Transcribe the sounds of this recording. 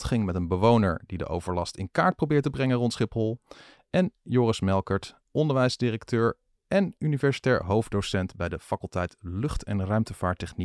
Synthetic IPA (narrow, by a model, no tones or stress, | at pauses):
tχɪŋmɛtənbəʋownə̰ɹdidə̰ʔo̰wv̥əɹlɑstɪ̰nkaːɹt̚prowbɪːɹtəbrɛŋərɔntsχɪphɔlˠ | ʔɛnjoːrəsmɛlˠkəɹt | ʔɔndəɹʋɛjzdɪrəktøːɹ | ʔɛnynivɛɹsi̥tɛːɹɦowfdowsɛntbɛjdəfɑkəlˠtɛjtlɵχtʰɛ̰nrœɥmtəvaːɹtɛχni